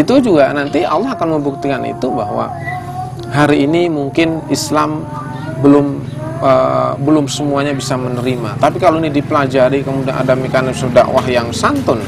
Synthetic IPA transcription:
it̪ud͡ʒuɡanant̪ialɑɦakanməmbuk̚t̪ikanḭt̪ubaɦwa̰ | ɦaɾiːnimuŋkɪnislam | bəlʊm | əbəlʊmsəmuaɲabisamənəɾimat̪apikaloinidipəlad͡ʒaɾikəmudianʔa̰damekanɪsda̰ʔwaɦjaŋsant̪ʊn

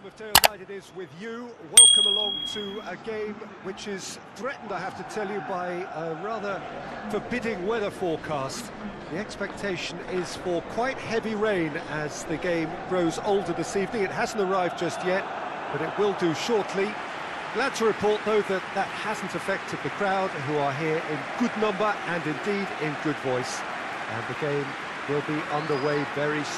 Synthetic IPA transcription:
mʌv̥dʰeɪɹaɪɾɨɾɪzwɪðjɨwɛlˠkə̃məlɔ̃ŋtʰɨəɡẽɪ̃mwɨt͡ʃɪz̥θɹɛʔn̩daɪhæftɨtʰɛlˠjɨbaɪəɹɑðə˞fə˞bɪɾɪ̃ŋwɛðə˞fɔɹkʰæst | ðiɛkspɛk̚tʰeɪʃɨ̃nɪz̥fə˞kʰw̥aɪt̚hɛviɹẽɪ̃nɨz̥ðɨɡẽɪ̃mɡɹoʊzoʊlˠdə˞ðɨsivnɪ̃ŋɨt̚ɦæzn̩tə˞aɪvd̚d͡ʒʌst̚jɛt̚ | b̥ʌɾɨt̚wɪlˠdɨʃɔɹtʰli | ɡ̥læd̚tʰəɹɨpʰɔɹt̪̚ðoʊðɨt̪̚ðət̚hæzn̩tɨfɛk̚tʰɨd̪̚ðɨkʰɹ̥aʊd̥̚ɦuə˞ɦiɹʔɪ̃nɡ̥ʊdⁿnʌ̃mbə˞ʔɨ̃nɨ̃ndiɾɪ̃nɡʊdvɔɪs | ʔɨ̰̃nðɨɡẽɪ̃m | wɪlˠbiʔʌ̃nðə˞weɪvɛɹi

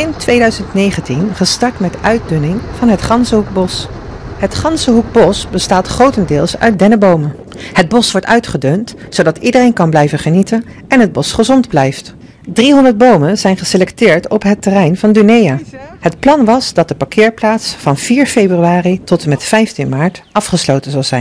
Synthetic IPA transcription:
ɪntʋejdœɥzəntnejχəntinχəstɑɹtmɛdʔœɥt̚dɵnɪŋv̥ɑnɦətχɑnsəɦuk̚bɔs | ɦətχɑnsəɦuk̚bɔsbəstaːtχrowtəndɪːlˠsœ̰ɥt̚dɛnəbowmən | həd̚bɔsʋɔɹtœ̰ɥtχədɵntsowdɑtidərejnkɑnblɛjvəχənitən | ɛnɦəd̚bɔsχəzɔndblɛjft | driɦɔndəɹd̚bowmənz̥ɛjnχəselɛktɪːɹtɔpɦətərɛjnvɑndynejaːɦətplɑnʋɑzdɑt̚dəpakʰɪːɹplaːtsfɑnv̥iːɹfejbryaːritɔtəmɛtfɛjftinmaːɹtɑfχəslowtənzɑlˠzɛjn

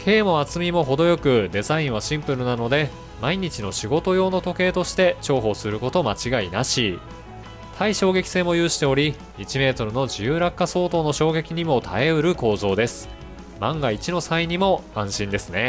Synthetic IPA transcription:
kʰe̞ːmo̞at͡sɨmʲimo̞ɦo̞d̪o̞jo̞kɯ̟d̪e̞zaĩɰ̃β̞aɕĩmpɯ̟ɾɯ̟nano̞d̪e̞ | maiɲ̟it͡ɕino̞ɕiɡo̞t̪o̞jo̞ːno̞t̪o̞ke̞ːt̪o̞ɕi̥t̪e̞t͡ɕo̞ːɦo̞sɨɾɯ̟ko̞t̪o̞mat͡ɕiɡainaɕi | t̪ʰaiɕo̞ːɡe̞kʲi̥se̞ːmo̞jɯ̟ːɕi̥t̪e̞o̞ɾʲi | it͡ɕime̞ːt̪o̞ɾɯ̟no̞d͡ʑijɯːɾakːaso̞ːt̪o̞ːno̞ɕo̞ːɡe̞kʲiɲ̟imo̞t̪ʰae̞ɯ̟ɾɯ̟ko̞ːzo̞ːd̪e̞sɨ̥ | mãŋɡait͡ɕino̞saiɲ̟imo̞ãɰ̃ɕĩnd̪e̞sɨne̞

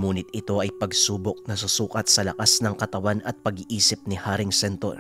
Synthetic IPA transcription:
muːnɪt̪̚ɪt̪o̞ʔɐjpɐɡsuːbok̚nɐsʊsuːkɐt̪̚sɐlɐkasnɐŋkɐt̪ɐwanɐt̪̚pɐɡiʔiːsɪp̚nɪhaːɾɪŋsɛnt̪o̰ɾ

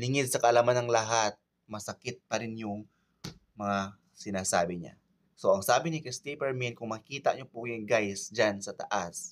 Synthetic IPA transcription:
lɪŋɪd̪̚sɐkɐʔɐlaːmanɐŋlɐɦat̪̚ | mɐsɐkɪt̪̚pɐɾɪnjʊŋ | mɐŋa | sɪnaːsaːbɪɲa̰ | soʔɐŋsaːbɪnɪkɪst̪ipɛɹminkʊŋmɐkiːt̪a̰ʔɲopʊjʊŋɡajsd͡ʒansɐt̪ɐ̰ʔas

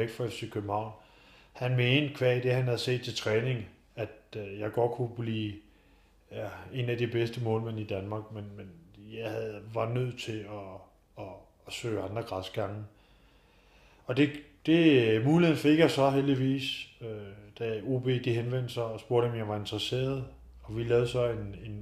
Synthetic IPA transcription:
eɡ̥̚d̥fɒefsʰekʰøb̥̚m̩hɑ̈ʊ̰n | hænmend̥̚kʰʋɛɐid̥e̝hænhæð̞̩ˠse̝̰ːd̥̚t͡sʰe̝lt͡sʰʁɛːne̝ŋ | æd̥jɑ̈ɪɡ̥ɒ̽d̥̚kʰub̥liː | æe̝næd̥ib̥esd̥əmɔ̰̽ːlmenid̥ænmɑ̈ːɡ̥menmenjɑ̈ɪhæðˠʋɑ̈nøð̞̰ˠt͡sʰe̝ɒː | sø̰ːɑ̈nd̥ʁɐɡ̥ʁɑsɡ̥ɑ̈ŋə | ɒ̽d̥e̝ | d̥e̝muːlienfe̝ɡ̥jɑsɒ̽ɦeld̥iʋḭːsød̥æo̝ːb̥e̝̰ːd̥iɦenʋen̰d̥sɑ̈ɪɒ̽sb̥o̝ɐ̰ɾ̥ɒ̽mjɑ̈ɪʋɑ̈e̝nd̥ʁɐse̝̰ːɐð̞̩ˠ | ɒ̽ʋilɛːʊð̩ˠsɒ̽e̝ne̝n

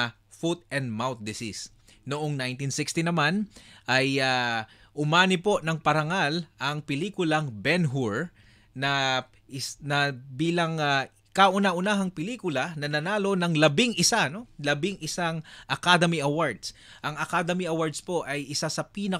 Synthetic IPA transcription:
fut̪̚ɛnd̪̚mawt̪̚d̪ɪsis | noʔoŋnajnt̪insɪkst̪inɐmanʔɐja | ʔʊmaːnɪpo̞ʔnɐŋpɐɾɐŋalʔɐŋpɪliːkʊlɐŋbɛnɦuɹ | nɐ | ʔɪsnɐbiːlɐŋa | kaʔʊnaʔʊnaɦɐŋpɪliːkʊlɐnɐnɐnaːlo̞nɐŋlɐbɪŋʔɪsano̞lɐbɪŋɪsaŋʔɐkad̪ɛmiʔɐwaɹd̪sʔɐŋɐkad̪ɛmiɐwaɹd̪spo̞ʔɐjʔɪsasɐpiːnɐ

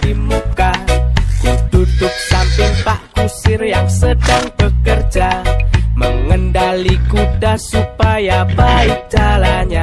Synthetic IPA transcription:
imukad̥idudʊk̚sampɪŋpaʔkusɪrjaŋsədaŋb̥əkərd͡ʒaməŋəndalikudasupajabaɪk̚d͡ʒ̥alaɲa

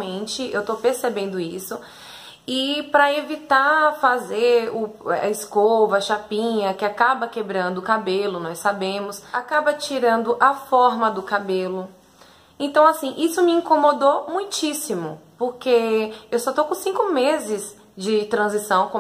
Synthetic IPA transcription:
mẽt͡ʃɪewt̪opeɾsebẽnd̪ʊisʊ | ɪpɾɐevit̪afazeɾʊɐ̰ɪskovɐɐʃapĩɲɐkɪakabɐkebɾɐ̃nd̪ʊːkabelʊnɔjsːabẽmʊsakabɐt͡ʃiɾɐ̃nd̪ʊʔɐfɔɾmɐd̪ʊkabelʊ | ẽt̪ɐ̃w̃asĩʔisʊmɪĩŋkõmod̪omũj̃t͡ʃisimʊpoɾkeewsɔt̪owkõsĩkʊmezɪz | d͡ʒɪt̪ɾɐ̃zisɐ̃w̃kõ

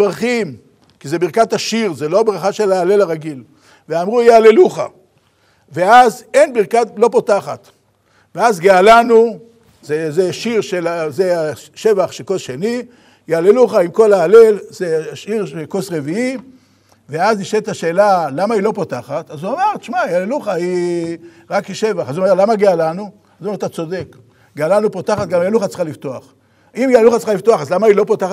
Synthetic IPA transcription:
bʁaχim | kizebiʁkat̪aʃiʁzelo̞bʁaχaʃelaːle̞laʁaɡil | veamʁujealeluχa̰ | veazenbiʁkatlo̞potaχat̪ | veazɡealanu | zezeʃiʁʃelazeaʃevaχʃekosʃeni | jaaleluχaimko̞laːle̞lzeʃiʁʃelkosʁe̞vii | veazniʃet̪aʃe̞ːlalamailo̞potaχat̪azuameʁʃmajaaleluχai | ʁakiʃe̞vaχazuomeʁlamaɡealanu | azumeʁat̪at͡so̞de̞k | ɡealanupot̪aχat̪̚ɡamajaluχat͡sχalift̪o̞aχ | imjealuχat͡sχaliftoaχazlamailo̞potaχa

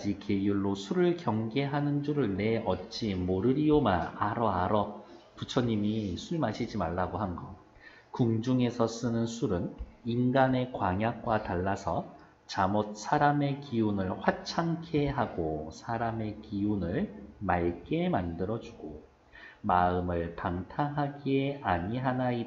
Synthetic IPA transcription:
d͡ʑike̞juɭːosʰuɾɯɭkjʌŋɡe̞ɦanɯnd͡ʑuɾɯɭne̞ʔʌtt͡ɕ͈imoɾɯɾiomaaɾʌaɾʌ | put͡ɕʰʌɲːimisʰuɭmaɕʰid͡ʑimaɭːaɡoɦanɡʌ | kuŋd͡ʑuŋe̞sʰʌs͈ɯnɯnsʰuɾɯninɡane̞kwaŋjak̚k͈wataɭːasʰʌ | t͡ɕamot̚s͈ʰaɾame̞kiunɯɭɸwat͡ɕʰaŋkʰeɦaɡosʰaɾame̞kiunɯɭmaɭk͈e̞mandɯɾʌd͡ʑuɡ̥o | maɯmɯɭpaŋtʰaɦaɡieaɲiɦanai

